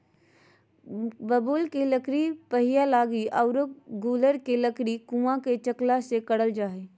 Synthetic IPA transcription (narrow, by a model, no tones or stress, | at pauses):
bəbuːlkeləkɾipɐɦɪjalaːɡiʔaʊɾəkɡuːləɾkeləkɾikũːãket͡ʃəklasekəɽəld͡ʒaːɦeː